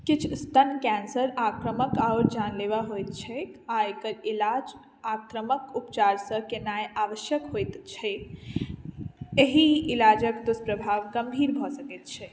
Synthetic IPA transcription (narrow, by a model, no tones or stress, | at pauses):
kɪt͡ʃʰst̪ənkɛnsəɾakɾəməkaʊɾd͡ʒanleʋaɦojt̪̚t͡ʃʰɛaekəɾilad͡ʒ | akɾəməkupt͡ʃaɾsə̃kenajaʋəʃjəkɦojt̪t͡ʃʰɛ | eɦiɪlad͡ʒəkd̪uspɾəbʱaʋɡəmbʱiɾbʱɔsəkɛt̪̚t͡ʃʰɛ